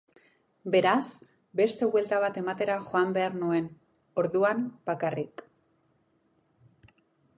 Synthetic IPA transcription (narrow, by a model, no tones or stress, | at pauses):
be̞ɾaz | be̞st̪e̞βwe̞lt̪aβ̞at̪e̞mat̪e̞ɾaxo̞ambe̞aɾnue̞n | o̞ɾðuamb̥akarik